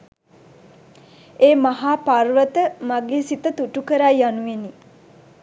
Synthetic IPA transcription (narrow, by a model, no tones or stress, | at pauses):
eːmaɦaːparʋət̪əmaɡeːsit̪ət̪uʈukəɾajːanueni